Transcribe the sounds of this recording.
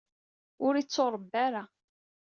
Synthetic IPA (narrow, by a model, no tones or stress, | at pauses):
ʊɾit͡sːoɾˤəbːaɾa